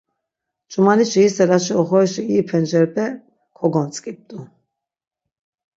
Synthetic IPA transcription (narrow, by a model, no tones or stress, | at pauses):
t͡ʃʼumaniʃiːsɛɾaʃiɔχɔiʃiipʰɛnd͡ʒɛɾpʰʼɛ | kʰɔɡɔnt͡sʼkʼip̚d̪ʼu